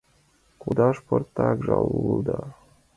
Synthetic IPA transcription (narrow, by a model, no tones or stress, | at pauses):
kud̪ɑʃport̪ːɑkʒɑlulˠd̪ɑ